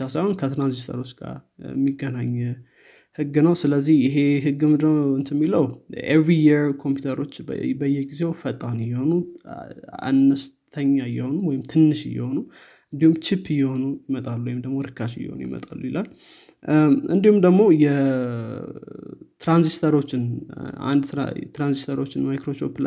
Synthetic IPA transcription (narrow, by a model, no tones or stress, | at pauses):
asajho̞nkʰət̪ɾanzist̪ʰə̰ɾot͡ʃɡa̰ | mːiɡːənaɲːɛ | hɨɡːɨnəwsɨləzːihɪɦe̞ɦɨɡːɨmd̪ɨnt̪ɨmːiləwʔevɾijiɾkʰo̞mpʰjut̪ʰəɾo̞t͡ʃːbəjːɛɡize̞wfət̪ʼːawnɪjːɛho̞nu | a̰nːəst̪ʰəɲːajːɛho̞nuwɔjɪmt̪ʰɨnːɨʃɪ̰jːɛ̰ho̞nu | ɨnd̪ihumt͡ʃipːɨjːɛho̞nujɪmət̪ʼalːuwɔjimd̪əɡmo̞ɾɨkːasɪjːɛ̰ho̞̰nṵjɪ̰mʔə̰t̪ʼa̰lːujilalː | ʔɨ̰nd̪ihumd̪əɡmo̞jɛ | t̪ʰɾanzist̪ʰəɾo̞t͡ʃːɪna̰nd̪t̪ɾanzist̪ʰəɾo̞t͡ʃːɪnmajkɾo̞skʰo̞̰pla